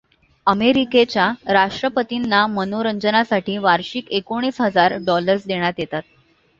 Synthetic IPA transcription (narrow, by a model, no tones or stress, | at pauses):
əmeɾiket͡ɕjaɾaʂʈɾəpət̪inːamənoɾəɲd͡zənasaʈiːʋaɾɕikekoɽ̃iːsɦəd͡zaɾɖɔləɾsd̪eɽ̃jat̪jet̪at̪̚